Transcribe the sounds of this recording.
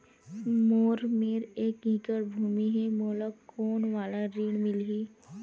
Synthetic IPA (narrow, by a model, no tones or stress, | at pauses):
moːɾmeːɾeːkɦĩkəɾbʱuːmiɦɛmoːlakoːnʋaːlaɾiːɽmɪlɦiː